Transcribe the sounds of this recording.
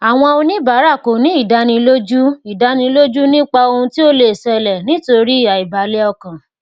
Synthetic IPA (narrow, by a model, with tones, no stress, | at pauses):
a˨w̃ɔ̃˧o˧nĩ˦ba˨˦ɾa˦˨ko˨nĩ˨˦i˦˨da˨˧nĩ˧lo˦d͡ʒu˦i˨da˧nĩ˧lo˦d͡ʒu˦nĩ˦k͡pa˧o˧hũ˧ti˦o˦le˦˨sɛ˧lɛ˨nĩ˦to˧ɾi˦i˦˨a˨i˨ba˨˦lɛ˦ɔ˧kã˨